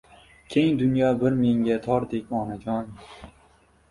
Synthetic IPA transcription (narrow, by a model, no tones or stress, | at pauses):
kʲʰeŋd̪ʊnjɒbɪɾmeŋɡʲat̪ʰɒɾd̪ekʲɒnad͡ʒɒn